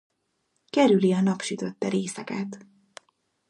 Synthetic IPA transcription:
kɛɾyliɒnɒpʃyt̪ø̞t̪ːɛɾeːsɛkɛt̪

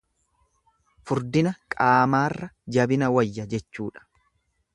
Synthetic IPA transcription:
fʊɾd̪ɪnɐkʼaːmaːrːɐd͡ʒɐbɪnɐwɐjːɐd͡ʒɛt͡ʃːuːᶑɐ̥

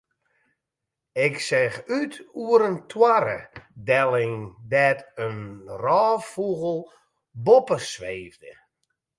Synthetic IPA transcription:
ɪksɛxytʰuəɾəntʰwaɾə̰dɛlˠɪŋdɛtənrɔːfuɣəlˠ | bopəsʋeːvdə

